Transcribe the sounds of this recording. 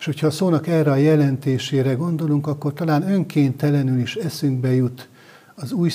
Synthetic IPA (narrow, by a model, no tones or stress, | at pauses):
ʃho̞chɒːsoːnɒkɛrɛɒjɛlɛnt̪eːʃeːɾɛɡo̞nd̪o̞luŋkɒkːo̞rt̪ɒlaːnø̞ŋkeːnt̪ɛlɛnyliʃɛsyŋɡ̚bɛjut̪ | ɒzuːj